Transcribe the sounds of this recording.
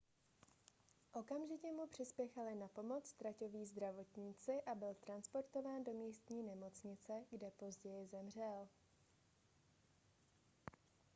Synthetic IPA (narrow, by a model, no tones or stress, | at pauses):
ʔo̞kamʒɪcɛmupr̝̥ɪspjɛxalɪnapo̞mo̞t͡st̪ɾaco̞viːzd̪ɾavo̞t̪ɲiːt͡sɪʔabɪlt̪ɾanspo̞ɾt̪o̞vaːndo̞miːst̪ɲiːnɛmo̞t͡sɲɪt͡sɛɡdɛpo̞zɟɛjɪzɛmr̝ɛl